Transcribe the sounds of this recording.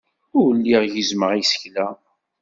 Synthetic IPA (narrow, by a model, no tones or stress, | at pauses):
ʊwlːiʁjəzməʁisə̥çlæ